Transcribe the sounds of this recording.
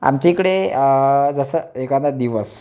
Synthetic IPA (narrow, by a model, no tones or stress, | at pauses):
a̰mt͡ɕekəɽe | d͡zəsəekanad̪iʋəs